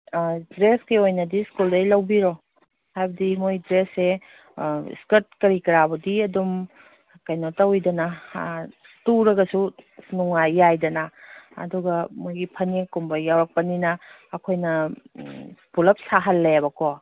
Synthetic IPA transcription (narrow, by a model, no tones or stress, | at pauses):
dɾeskiojnɐdiskuldɐjlɐwbiɾo | hajbɐdimojdɾese | ḭskɐɾt̚kɐɾikɐɾabɐdiɐdum | kajnotɐwidɐnɐ | tuɾɐɡɐsunuŋajːajdɐnɐɐ̰duɡɐmojɡipʰɐnikumbɐjːawɾɐk̚pɐninɐː | kʰojnɐ | pulɐp̚saɦɐlːeabɐkɔ